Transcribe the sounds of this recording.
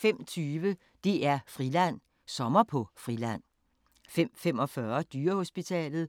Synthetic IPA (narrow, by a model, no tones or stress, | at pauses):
fem̰t͡sʰyːʋə | d̥e̝æɐfʁilæn̰ | sɒ̽mɐpʰɒ̽fʁilæn̰ | fem̰fem̰ɒ̽fɶɐd̥yːɐho̝sb̥it͡sʰɛ̰ːlð̩ˠ